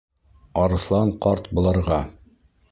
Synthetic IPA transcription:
ɑɾɤ̆θlˠɑɴqɑɾt̪bŏlˠɑɾʁɑ

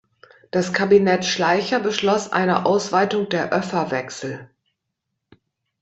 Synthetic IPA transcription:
d̥askʰabinɛtʃlaɪçɐbəʃlɔsʔa̰ɪnə̰ʔaʊsv̥aɪtʊŋdeːɐʔœfɐvɛksl̩

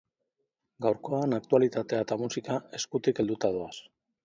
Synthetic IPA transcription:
ɡawɾko̞anak̚t̪ualit̪at̪e̞at̪amusikae̞skut̪ike̞ld̪ut̪aðoas

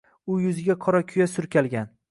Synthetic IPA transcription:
ʊjʊzɪɡʲaqʰɒɾakʲʰʊjasʊɾkʲʰalɡʲan

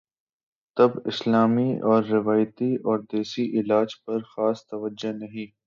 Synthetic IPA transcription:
t̪ɐbɪ̰slaːmiɔːɾːɪʋaːjt̪iʔɔːɾd̪eːsiʔɪlaːd͡ʒpɐɾxaːst̪ɐʋəd͡ʒonɐɦĩː

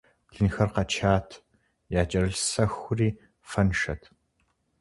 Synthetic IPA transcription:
ɮɨnxɐrqɐt͡ʃʰaːtʰ | jaːt͡ʃʼɐɾɨɬsɐxʷʊriː | fɐnʂɐ̰tʰ

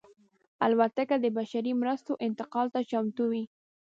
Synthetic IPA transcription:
alwat̪akad̪əbaʃaɾimɾəst̪oʔɪnt̪ɪqɑlt̪at͡ʃamt̪uwi

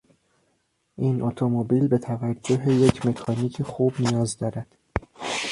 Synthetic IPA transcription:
ʔinʔot̪ʰomobiːlbe̞t̪ʰævæd͡ʒːo̞ɦejecʰme̞cʰɒːniːcʰexuːbnijɒːzd̪ɒːɾæd̪̥

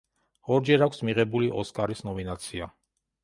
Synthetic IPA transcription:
hɔɾd͡ʒɛɾɑkʷʰsmiʁɛbuliʔɔskɑɾisʰnɔminɑt͡sʰijɑ

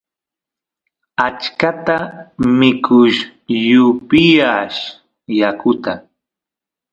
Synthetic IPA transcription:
at͡ʃkat̪amɪkʰʊʃjʊpɪjaʃ | jakʊt̪a

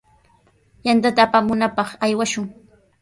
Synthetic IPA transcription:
jant̪at̪aːpamʊnapɑχajwaʃʊŋ

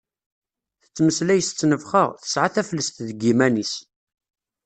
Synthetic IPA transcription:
θə̥t͡sːməslæjəst͡sːnəvχəʁθə̥sʕaθæflːəst̪ðɡimænis

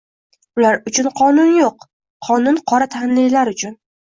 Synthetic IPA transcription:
ʊlaɾʊt͡ʃʰʊnqʰɒnʊnjoqʰ | ɒnʊnqʰɒɾat̪ʰanlɪjlaɾʊt͡ʃʰʊn

